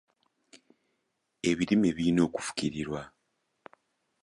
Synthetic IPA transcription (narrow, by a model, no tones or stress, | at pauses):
e̞βiɾimeβiino̞ːku̥fu̥kiɾiɾwa